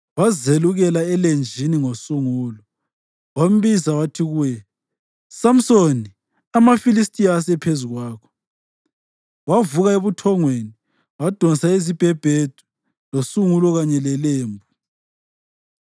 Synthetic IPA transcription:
wazeluɣɛlaɛlend͡ʒʱiniŋosuŋuːlɔ | wam̩βizawatʰiɣujɛ | sam̩soni | amafilistʼijasɛpʰezuɣwaːkʰɔ̥ | wavuɣaeβutʰɔŋweni | wad̥ʱɔnsaezib̥ʱɛb̥ʱed̥ʱu̥ | losuŋulɔɣaɲɛlɛleːmbʱu

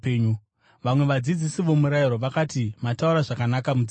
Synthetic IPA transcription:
eːɲu | ʋamwe̞ʋad͡zid͡zisiʋo̞muɾaiɾo̞ʋakatimatauɾaʐakanakamud͡z

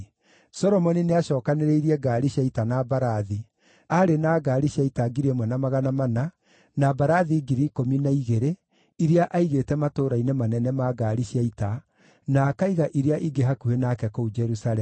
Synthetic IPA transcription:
sɔɾɔmɔnineaʃɔːkaneɾeiɾiɛɡaɾiɕjaitanabaɾaði | aɾenaːɡaɾiɕaitaɡiɾemwɛnamaɣanamana | nabaɾaðiɡiɾikominaiɣeɾe | iɾeaʔaiɣetɛmatoːɾainemanɛnɛmaɡaɾiɕiaita | nakaiɣaʔiɾeaʔiɡeɦakuhenaːkɛkoud͡ʒɛɾusalɛ

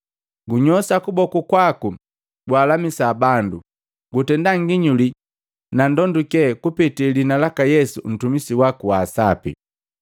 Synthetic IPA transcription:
ɡuɲɔsakubɔkukwaku | ɡwaːlamisabandu | ɡutɛndaŋɡiɲuli | nandɔndukɛkupitilinalakajɛsṵn̩tumisiwakuwaːsapḭ

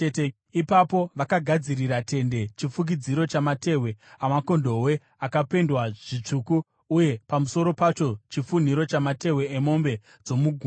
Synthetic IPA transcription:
ipapo̞ʋakaɡʱad͡ziriɾate̞nde̞t͡ʃifuk̬id͡ziɾo̞t͡ʃamate̞we̞amako̞ndo̞we̞ | akape̞ndwaʐ̥it͡ʂukuː | je̞pamuso̞ɾo̞pat͡ʃo̞t͡ʃifun̤iɾo̞t͡ʃamate̞we̞ːmo̞mbe̞ | d͡zo̞muɡʱu

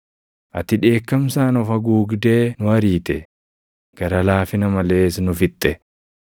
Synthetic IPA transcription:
ʔɐt̪ɪᶑe̞ːkːɐmsaːnɔfɐɡuːɡd̪e̞ːnʊɐɾiːt̪ɛ | ɡ̥ɐɾɐlaːfɪnɐmɐleːsnʊfɪt̪ʼːɛ

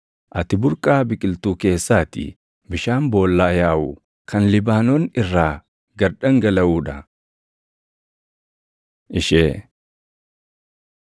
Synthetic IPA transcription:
ʔɐt̪ɪbʊɾkʼaːbɪkʼɪlt̪uːke̞ːsːaːt̪ɪ̰ | bɪʃaːmbo̞ːlːaːjaːʔʊ | kʰɐnlɪbaːnoːnɪrːaː | ɡɐɾᶑɐŋɡɐlɐʔuːᶑɐ | ʔɪʃeː

